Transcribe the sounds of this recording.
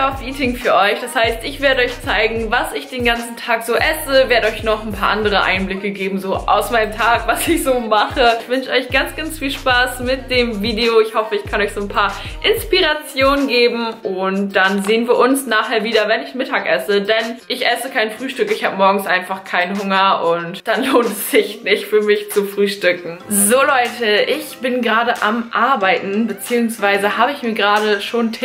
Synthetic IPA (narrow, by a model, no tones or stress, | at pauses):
afiːtɪŋfyːɐʔɔʏçd̥ashaɪstɪçv̥eːɐɾəɔʏçt͡saɪɡŋ̩vasɪçd̥eːnɡant͡sn̩tʰaːkz̥oːʔɛsəveːɐɾəɔʏçnɔχn̩pʰaːʔa̰ndəʁəʔa̰ɪnblɪkəɡeːbm̩zoːʔa̰ʊsmaɪnəmtʰaːkvasɪçz̥oːmaχəɪçv̥ʏnʃʔɔʏçɡ̥ant͡sɡ̥ansfiːlʃpaːsmɪt̚d̥eːmviːdeoɪçhɔfəɪçkʰanɔʏçz̥oːnpʰaːɐʔɪnspiʁat͡sjoːnənɡeːbm̩ʔʊntd̥anzeːənviːɐʔʊnsnaːχhɛːɐviːdɐvɛnɪçnmɪtʰaːkʔɛsədɛnʔɪçʔɛsəkʰaɪnfʁ̥yːʃtʏkɪçhaːbəmɔɐɡŋ̩sʔaɪnfaχkʰaɪnənɦʊŋɐʔʊntd̥anloːntɛsz̥ɪçnɪçtfyːɐmɪçt͡sufʁ̥yːʃtʏkŋ̩zoːlɔʏtʰəʔɪçb̥ɪnɡəʁaːdəʔamʔaɐbaɪtn̩bət͡siːʊŋsv̥aɪzəhaːbəɪçmiːɐɡəʁaːɾəʃoːntʰː